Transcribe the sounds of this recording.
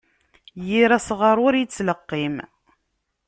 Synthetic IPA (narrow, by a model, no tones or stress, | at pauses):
jiɾæsʁəɾˤʊɾjit͡sːləqːim